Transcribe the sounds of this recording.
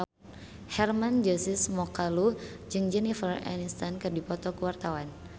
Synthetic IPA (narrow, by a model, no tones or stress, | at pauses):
hɛrmand͡ʒəsɪsmɔkalud͡ʒɨŋd͡ʒɛnifəra̰nist̪ankɨrdipɔt̪ɔkəwart̪awan